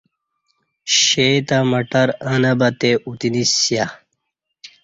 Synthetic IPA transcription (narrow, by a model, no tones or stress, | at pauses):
ɕet̪amɐʈɐɾanɐbɐt̪eʔut̪inisja